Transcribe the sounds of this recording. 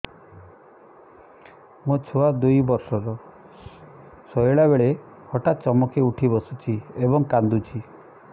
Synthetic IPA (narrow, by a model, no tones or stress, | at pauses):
mot͡ʃʰoad̪ujbɔɾsɔɾɔ | sɔjɭabeɭe | hɔʈat̪̚t͡ʃɔmɔkʰeuʈʰibɔsut͡ʃʰiebɔŋkand̪ut͡ʃʰi